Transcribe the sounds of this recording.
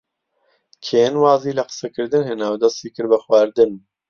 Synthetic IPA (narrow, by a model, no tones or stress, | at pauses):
kʰeːnwaːziːlɐqə̥sɛkɨɾd̪ɨnɦɨnaːwd̪ɐst̪iːkɨɾbɨxwaːɾd̪ɨn